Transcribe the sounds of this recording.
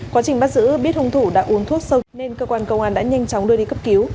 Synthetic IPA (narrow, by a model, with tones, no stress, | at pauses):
kwaː˨˦t͡ɕï˨˩ŋɓa˦˥zɨ̰˧˥ɓi˦˥ət̚hʊ˧wŋ͡mt̪ʰu˧˩ɗa̰ː˧˥ʔu˨˦ənt̪ʰu˦˥ət̚sə˧wne˧nkəː˧kwaː˧nkə˧wŋ͡mʔaː˧˩nɗa̰ː˧˥ɲa˧jŋ̟t͡ɕɔ˨˦wŋ͡mɗɨ˧əɗi˧kə˦˥p̚ki˨˦w